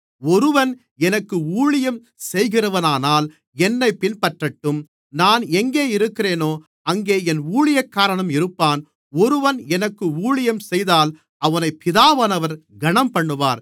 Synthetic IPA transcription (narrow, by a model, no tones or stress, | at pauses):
ɔɾɯʋɐn | ɛnɐkːɯuːɭɪjɐm | sɛjɣɪrɐʋɐnaːnaːl | ɛnːɐɪpːɪnpɐʈrɐʈːɯm | naːnɛŋɡeːɪɾɯkːɪɾeːnoː | ɐŋɡeːɛnuːɭɪjɐkːaːɾɐɳɐmɪɾɯpːaːn | ɔɾɯʋɐnɛnɐkːɯuːɭɪjɐmsɛjðaːl | ɐʋɐnɐɪpːɪðaːʋɐnɐʋɐɾɡɐɳɐmpɐɳːɯʋaːɾ